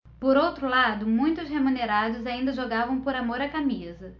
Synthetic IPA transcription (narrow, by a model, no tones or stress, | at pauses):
poɾowt̪ɾʊlad̪ʊmũj̃t̪ʊshemuneɾad̪ʊzaĩnd̪ɐʒoɡavɐ̃w̃poɾamoɾɐkamizɐ